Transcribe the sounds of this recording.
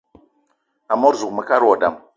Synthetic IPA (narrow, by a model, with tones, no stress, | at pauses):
a˨mo˦ɾzu˨kma˨ka˦ɾwa˨da˦˨m